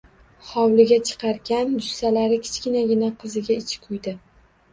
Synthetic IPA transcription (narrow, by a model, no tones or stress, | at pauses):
χɒwlɪɡʲat͡ʃʰɨ̥qʰɑɾɡʲand͡ʒʊsalaɾɪkʲʰɪ̥t͡ʃkʲɪnaɡʲɪnaqʰɨzɪɡʲaɪt͡ʃʰɪ̥kʰʊjd̪ɪ